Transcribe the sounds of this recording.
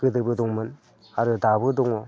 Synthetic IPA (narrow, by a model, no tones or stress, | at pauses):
ɡɯdɯbɯduŋmɯn | aɾɯdabɯduŋɔ